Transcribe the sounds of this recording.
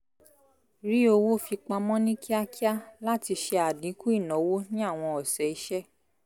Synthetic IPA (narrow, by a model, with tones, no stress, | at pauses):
ɾi˦o˧wo˦˨fi˧k͡pa˧mɔ̃˦nĩ˦ki˦a˦ki˦a˦la˦ti˧ʃe˧a˨dĩ˨˦ku˦i˦˨nɔ̃˨˦wo˦nĩ˦a˦˨w̃ɔ̃˧ɔ˨sɛ˨˦i˨˧˦ʃɛ˦˨